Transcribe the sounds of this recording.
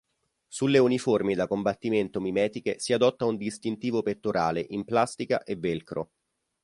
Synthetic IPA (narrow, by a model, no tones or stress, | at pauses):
sulːeuniformid̪akombat̪ːiment̪omimɛːt̪ikesiad̪ɔt̪ːaund̪ist̪int̪iːvopet̪ːoɾa̰ːleʔimplast̪ika̰ʔevːelkɾo̰